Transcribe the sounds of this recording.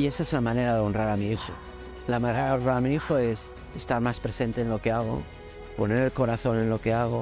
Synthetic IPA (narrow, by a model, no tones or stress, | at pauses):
iesaesunamãne̞ɾaðeo̞nraɾamiixo̰ | lamaneɾaðonraɾamiixoe̞s | est̪aɾmaspɾese̞nt̪eːnlo̞ke̞aɣ̞o̞̰ | po̞ne̞ɾe̞lko̞ɾaθo̞ne̞nlo̞keaɣ̞o